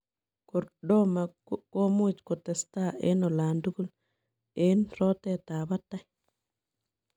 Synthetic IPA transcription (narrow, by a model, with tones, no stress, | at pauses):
ko˨ɾɗo˦ma˨ | ko˦mu˦˨t͡ʃko˨t̪e˨st̪a˦ʔḛ˦no˨la˨ndu˦ɡu˦l | e˦nɾo˦t̪e˦t̪a˨ba˦t̪a˦j